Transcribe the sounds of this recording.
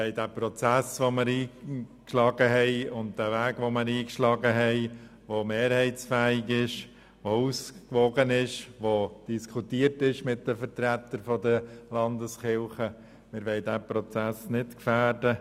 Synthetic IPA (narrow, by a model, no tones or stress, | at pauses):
ɛɪdæːpɾɔt͡sæsʋoməɾiːkʃlɑːɡ̥əɦɛɪʊnt̚d̥ævæːɡʋoməɾiːkʃlɑɡəɦɛɪ | ʋomeːɾhɛɪt͡sfæːɪɡɪʃ | ʋouskʋɔɡənɪʃʋod̥iskʰutiːəɾtɪʃmɪtdəfəɾtɾæt̪ːəɾfɔdəlɑndəsχɪlˠχə | mɪɾʋɛɪdæːpɾɔt͡sæsnɪtkfæːɾdə